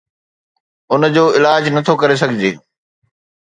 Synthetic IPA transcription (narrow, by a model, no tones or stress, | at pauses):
ʊnd͡ʑoːɪlaːd͡ʑnɐt̪ʰokɐɾes̬ɐɡʱɪd͡ʑḛː